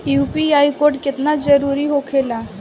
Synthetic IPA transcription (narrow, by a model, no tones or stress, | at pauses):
juːpiaːjkoːɾɖkɪt̪nad͡ʒəɾuːɾiɦokʰeːlaː